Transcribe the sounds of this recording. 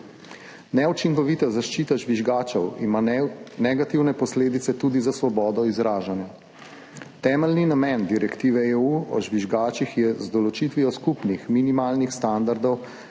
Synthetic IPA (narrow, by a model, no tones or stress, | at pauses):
nɛut͡ʃiŋkɔʋiːt̪azaʃt͡ʃiːt̪aʒʋiʒɡaːt͡ʃɔwḭmanɛɡat̪iwnɛpɔsleːd̪it̪sɛt̪uːd̪izasʋɔbɔːd̪ɔizɾaːʒanja | t̪ɛːmɛlninamɛnd̪iɾɛkt̪iːʋɛeuɔ̰ʒʋiʒɡaːt͡ʃixjɛzd̪ɔlɔt͡ʃit̪ʋiɔskupnixminimaːlnixst̪and̪aɾd̪ɔw